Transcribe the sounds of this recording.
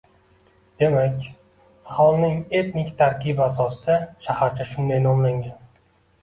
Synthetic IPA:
d̪̥e̞makʲ | ahɒlˠnɪŋe̞t̪nɪkʲt̪ʰaɾkʲʰɪbasɒsɪd̪̥aʃahaɾt͡ʃʰaʃʊnd̪ajnɒmlaŋɡʲan

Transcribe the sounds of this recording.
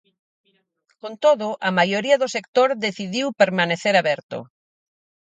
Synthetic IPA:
kont̪oðʊʔɐmajoɾiɐðʊsekt̪oɾðeθiðiwpeɾmaneθeɾaβɛɾt̪ʊ̰

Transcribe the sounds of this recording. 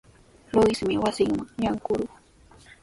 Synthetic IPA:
lʊɪsmɪwasɪŋmaŋjaŋkʊɾʊχ

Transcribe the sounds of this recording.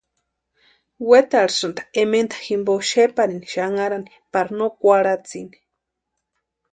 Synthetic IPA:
wet̪aɾsɨnd̪ḁement̪ḁximboʃepaɾiniʃaŋaɾani | paɾanokʷaɾat͡sini̥

